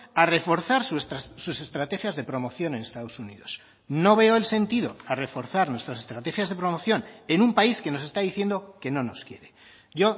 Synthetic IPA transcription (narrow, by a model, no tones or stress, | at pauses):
are̞fo̞ɾθaɾsust̪asuse̞st̪ɾat̪e̞xjazðe̞pɾo̞mo̞θjo̞ne̞ne̞st̪að̞o̞sunḭðo̞s | no̞βe̞oe̞lse̞nt̪iðo̞̰are̞fo̞ɾθaɾnwe̞st̪ɾas̬est̪ɾat̪e̞xjazðe̞pɾo̞mo̞θjo̞ne̞numpaiske̞no̞se̞st̪aðiθje̞nd̪o̞ke̞no̞no̞skje̞ɾe̞ | ɟ͡ʝo̞